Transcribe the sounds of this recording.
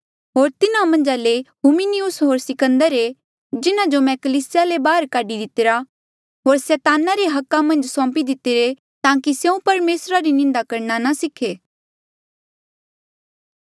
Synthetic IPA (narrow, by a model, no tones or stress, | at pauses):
ɦoːɾt̪ɪnamɐ̃nd͡ʒaleɦuminiʊsɦoːɾsɪkə̃nd̪əɾe | d͡ʒɪnãd͡ʒomɛ̃kɐliːsɪjalebaːəɾkaːɖid̪ɪt̪ɪɾa | ɦoːɾsɛːt̪aːnaɾeɦɐkːamɐ̃nd͡ʒsɔ̃ːmpid̪ɪt̪ɪɾe | t̪ãːkisjeũpɐɾmeːsɾaɾinɪ̃nd̪akɐɾnanasɪkʰeː